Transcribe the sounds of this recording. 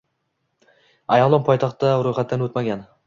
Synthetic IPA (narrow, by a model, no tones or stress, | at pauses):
ajɑʁlˠɒnpʰɒjt̪ʰɑχt̪d̪aɾojχat̪ːanot̪maɡʲan